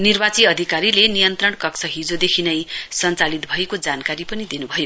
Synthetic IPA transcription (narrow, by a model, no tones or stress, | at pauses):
nirbat͡siʌd̪ʱikaɾilenijʌnt̪rʌɳkʌksʰʌɦid͡zod̪ekʰinʌjsʌnt͡salit̪̚bʱʌekod͡zankaɾipʌnid̪inubʱʌjo